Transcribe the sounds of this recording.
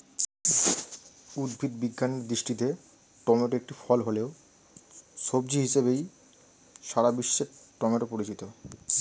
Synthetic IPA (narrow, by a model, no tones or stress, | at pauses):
ud̪bʱid̪biɡːaneɾd̪ɾiʃʈit̪e | ʈɔmeɾek̚ʈifɔlɦoleo | ʃobd͡ʑiɦiʃebej | ʃaɾabiʃːeɾʈɔmeɾpoɾit͡ɕit̪o